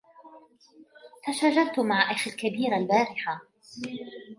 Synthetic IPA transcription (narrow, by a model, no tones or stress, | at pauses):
faʃaːʒaɾˤt̪ʊmaʕʔaxalkabiːɾalbaːɾɪħa